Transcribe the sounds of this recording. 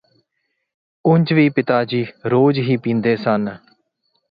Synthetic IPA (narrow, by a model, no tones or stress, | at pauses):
ʊɲʲd͡ʒʋiːpɪt̪aːd͡ʒiːɾoːd͡ʒɦiːpĩːnd̪eːsən